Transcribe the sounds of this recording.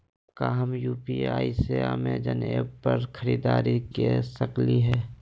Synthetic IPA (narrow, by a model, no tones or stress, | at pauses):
kaɦəmjuːpiaːiseamẽd͡ʒɐnepɐɾkʰəɾiːd̪aːɾikesəkliɦɛː